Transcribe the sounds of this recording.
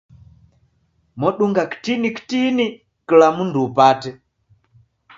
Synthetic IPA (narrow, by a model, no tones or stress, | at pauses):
mɔɗuŋɡaki̥tiniki̥tini | kilamunduːpatɛ